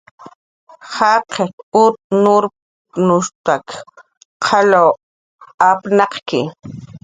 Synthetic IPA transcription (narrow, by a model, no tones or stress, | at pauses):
hɑqekʊt̪nʊɾ | nʊʃt̪ak | qʰɑlaw | apnɑqkɪ̰